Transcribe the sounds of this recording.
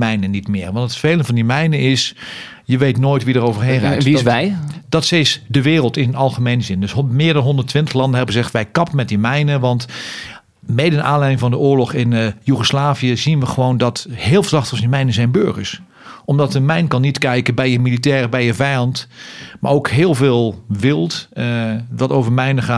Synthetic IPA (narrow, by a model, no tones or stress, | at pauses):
mɛjnənːitmɪːʋɑntətfejlənvɑndimɛjnəɪs | jəʋejtnoːjtʋidərowvəɹɦenrɛ̰ːiɛjdɑtsesdəʋɪːrəlˠtɪnənɑlˠχəmejnzɪndɵsmɪːɹdɑnɦɔndətʋɪntəχlɑndən̩ɦɛbəəzɛχtʋɛjkɑpəmɛt̚dimɛjnəʋɑnt | mejdəna̰ːnlɛjdɪŋvɑndəʊːɹlɔχɪnjuχəslaːviəzinʋəχəʋowndɔtɦɪːlˠfəzɑχtəsəmɛjnəzɛjnbø̰ɹχəɹs | ɔmdɑtəmɛjnkɑnːitkɛjkəbɛjəmilitɛːrəbɛjəvɛjɑntma̰ːɹowkɦɪːlˠvɪːlˠʋɪlˠt | ʋɑtowvəɹmɛjnəχaː